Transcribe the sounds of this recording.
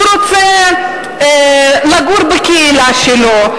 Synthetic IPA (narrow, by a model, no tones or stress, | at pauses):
ɾot͡se | laɡuɾbekeilaʃelo